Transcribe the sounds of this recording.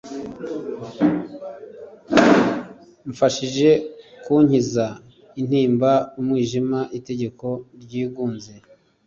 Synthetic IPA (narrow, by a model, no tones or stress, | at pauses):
ɱfaʃiʒe̞kuːɲiza | in̥hiːmbaumŋiːʒimaʔite̞ɟe̞ko̞ɾɟiːɡuːnze